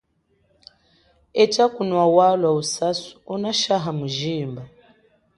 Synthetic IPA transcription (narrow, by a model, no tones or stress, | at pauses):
ɛtakunwawalwausasu̥ɔnaʃaɦamuʒiːmba